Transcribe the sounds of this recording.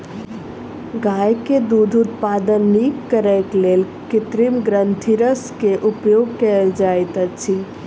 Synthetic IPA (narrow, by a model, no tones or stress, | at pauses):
ɡaːjked̪uːd̪ʱʊt̪paːd̪ənːiːkːəɾəkleːl | kɪt̪ɾimɡɾə̃nt̪ʰiɾəskeʔʊpjoːɡ̚kɛld͡ʒaːɪt̪ət͡ʃʰi